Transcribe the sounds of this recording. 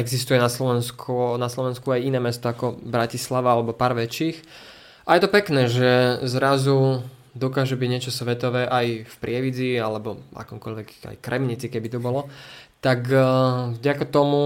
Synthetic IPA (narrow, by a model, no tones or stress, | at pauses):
ɛɡzist̪ujɛnaslɔʋɛnskʰunaslɔʋɛnskuajinɛːmɛst̪ɔakɔbɾacislaʋaalɛbɔpaːɾʋɛt͡ʃiːx | ajɛt̪ɔpɛknɛːʒɛzɾazu | d̪ɔkaːʒɛbiɟɲɪɛt͡ʃɔsʋɛt̪ɔʋɛːʔajfpɾɪɛʋid͡zialɛbɔa̰kɔːmkɔʎʋɛka̰jkɾɛmɲit͡sikɛbit̪ɔbɔlɔt̪akvɟakat̪ɔmu